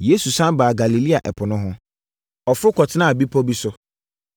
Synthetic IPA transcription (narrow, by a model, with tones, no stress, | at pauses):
je˦su˨sã˦baː˨ɡa˨li˨li˦a˨ʔɛ˨pʰʊ˨nʊ̃˦ɦʊ̃˦ | ɔ˨fʊ˦ɾʊ˦kʰɔ˨tʰɪ˦nã˦a˨bi˦pʰɔ˦bi˦sʊ˦